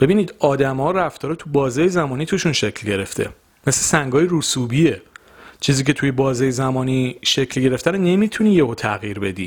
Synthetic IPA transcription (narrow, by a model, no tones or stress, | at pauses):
b̥e̞biːniːd̪ɒːd̪æmɒːɾæft̪ʰɒːɾet̪ʰubɒːzeːjezæmɒːniːt̪ʰuʃunʃe̞cʰlɟe̞ɾe̞ft̪ʰe̞̰ | meslesæŋɡɒːjeɾusuːbie | t͡ʃʰiːziːcʰe̞t̪ʰujebɒːzejezæmɒːniʃecʰlɟe̞ɾe̞ft̪ænene̞mit̪ʰuniːjehot̪ʰæɣjiːɾbe̞d̪ḭː